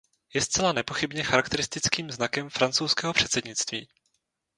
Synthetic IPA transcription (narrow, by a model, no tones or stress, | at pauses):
jɛst͡sɛlanɛpo̞xɪbɲɛxaɾakt̪ɛɾɪst̪ɪt͡skiːmznakɛmfɾant͡sowskɛːɦo̞pr̝̥ɛt̪sɛdɲɪt͡st̪viː